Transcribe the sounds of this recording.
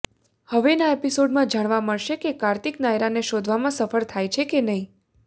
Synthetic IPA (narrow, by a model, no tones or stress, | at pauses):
həʋenaepisoɖmãd͡ʒaɽ̃ʋaməɭʃekekaɾt̪iknajɾaneʃod̪ʱʋamãsəfəɭt̪ʰajt͡ʃʰekenəɦĩ